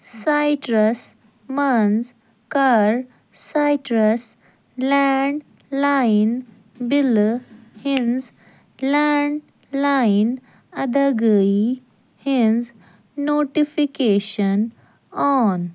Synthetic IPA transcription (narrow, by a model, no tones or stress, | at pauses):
sajʈɾəs | mənz | kaɾː | ajʈɾəs | lɛɳɖ | lain | bilhĩnz | lɛɳɖ | lain | əd̪əɡəi | hinz | noʈifikeɕən | ɔn